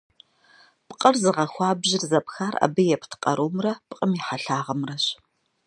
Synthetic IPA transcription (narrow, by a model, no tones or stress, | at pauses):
pqʼərzɨʁɐxʷɑːbʑɪrzɐpxaːra̰ːbɨjɛpʰtʰqʼɐ̰ɾʔuːmrɐpqʼəmiħaɬaːʁɐmrɐɕ